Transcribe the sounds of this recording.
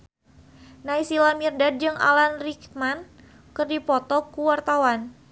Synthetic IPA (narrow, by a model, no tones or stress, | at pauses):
naisilamirdad̚d͡ʒɨŋa̰lanrikman | kɨrdipɔt̪ɔkuwart̪awan